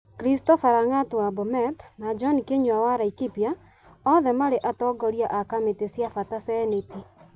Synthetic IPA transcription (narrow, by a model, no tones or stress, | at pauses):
kɾistɔfaɾaŋatowabɔmɛtnad͡ʒɔnikeɲwawaɾaikipja | ɔðɛmaɾeʔatɔɡɔɾjaʔakametesjafatasɛneti